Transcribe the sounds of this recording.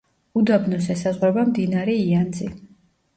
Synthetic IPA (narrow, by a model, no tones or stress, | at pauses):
ud̪abnɔsɛsazʁwɛbamd̪inaɾɛiand̪zi